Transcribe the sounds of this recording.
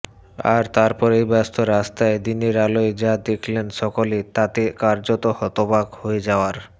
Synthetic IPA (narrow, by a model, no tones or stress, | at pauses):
a̰ɾt̪aɾpɔɾejbɛst̪ʰoɾast̪aed̪iniɾalojd͡ʑad̪ekʰlenʃɔkolet̪at̪ekaɾd͡ʑot̪ohɔt̪obaɡhoed͡ʑaoaɾ